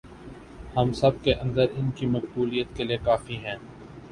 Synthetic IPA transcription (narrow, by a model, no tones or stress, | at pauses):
hɐmsɐb̚keʔɐ̃nd̪əɾɪnkimɐqbuːlijət̪kelijekaːfiɦɛ̃ː